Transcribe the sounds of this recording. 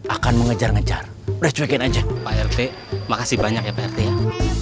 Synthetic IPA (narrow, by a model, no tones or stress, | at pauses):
ʔakanməŋəd͡ʒarŋəd͡ʒa̰r | pɾɛt͡ʃuwekɪnad͡ʒapaɛrt̪e | makasibaɲakjapaɛrt̪eja